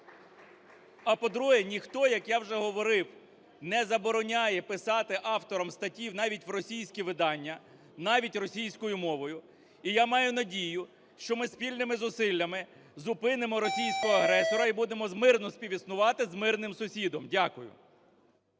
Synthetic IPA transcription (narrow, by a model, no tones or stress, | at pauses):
ɐpɔd̪ɾuɦɛnʲixt̪ɔjɐkjawʒɛɦɔʋɔɾɪw | nɛzɐbɔɾɔnʲajɛpɪsɑt̪ɪʔɑwt̪ɔɾɔmst̪ɐtʲiwn̪ɑʋʲitʲʋrɔsʲijsʲkʲiʋɪd̪ɑnʲːɐ | nɑʋʲitʲrɔsʲijsʲkɔjʊmɔʋɔjʊ | ijamɑjʊnɐdʲijʊ | ʃt͡ʃɔmɪspʲilʲnɪmɪzʊsɪlʲːɐmɪ | zʊpɪnemɔɾɔsʲijsʲkɔɦɔɐɦɾɛsɔɾɐibud̪emɔzmɪrnɔspʲiʋʲisnʊʋɑt̪ɪzmɪrnɪmsʊsʲid̪ɔmdʲakʊjʊ̰